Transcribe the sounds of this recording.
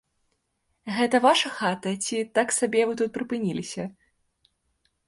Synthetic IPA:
ɣɛt̪ɐvaʂɐxat̪ɐt͡sʲit̪aksabʲɛvɨt̪ut̪̚pɾɨpɨnʲilʲisʲɐ

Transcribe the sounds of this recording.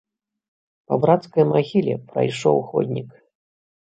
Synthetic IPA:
pɐbɾat̪skɐjmaɣʲilʲɛ̰pɾɐ̰jʂɔwxɔ̰d̪ʲnʲik

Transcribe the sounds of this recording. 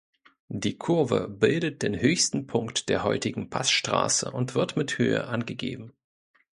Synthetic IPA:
diːkʰʊɐvə̰bɪldət̚d̥eːnhøːçstn̩pʰʊŋktd̥eːɐɦɔʏtɪɡŋ̩pʰasʃtʁ̥a̰ːsə̰ʔʊntv̥ɪɐtmɪthøːə̰ʔanɡəɡḛːbm̩

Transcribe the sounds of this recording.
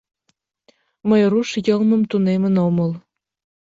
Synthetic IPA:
məjruʃjɤlmɤ̆mt̪unemə̆nomɤl

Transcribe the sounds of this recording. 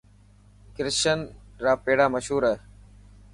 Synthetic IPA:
kɪɾʃənɾaːpeːɽaːməʃɦuːɾəɦeː

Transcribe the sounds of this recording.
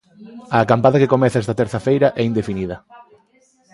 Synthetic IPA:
ɐːkampaðɐkekomɛθaɛst̪ɐt̪eɾθɐfejɾɐʔɛind̪efiniðɐ

